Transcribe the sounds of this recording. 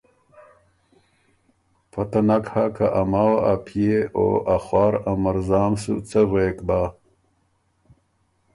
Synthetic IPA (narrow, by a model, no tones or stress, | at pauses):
pʰɐt̪anakhakaʔamaːwaapʰieo̰axwɑːɾamɐɾzaːmsṵt͡sɐɣeːkbaː